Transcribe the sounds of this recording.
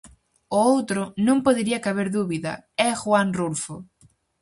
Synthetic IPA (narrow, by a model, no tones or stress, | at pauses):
ʊowt̪ɾʊnõmpoðeɾiɐkaβeɾðuβiðɐ̰ɛxwaŋrulfʊ